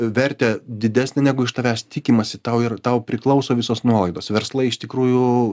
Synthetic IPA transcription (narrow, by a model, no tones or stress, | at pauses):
ʋʲɛɾʲt̪ʲɛːd̪ʲɪd̪ʲæːsʲnʲenʲæːɡʊɪʃt̪ɐʋʲæːst̪ʲɪkʲimɐsʲɪt̪ɐʊɪrt̪ɐʊpʲɾʲɪklˠɐʊsoːʋʲɪsoːsnuɔlˠɐɪd̪oːsʋʲɛɾslˠɐɪɪʃt̪ʲɪkɾuːjʊ